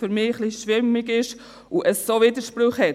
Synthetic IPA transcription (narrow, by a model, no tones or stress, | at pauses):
fyɾmɪːəχliʃʋɪmːɪɡɪʃ | uʔəssoːviːdəʃpɾʊχhɛ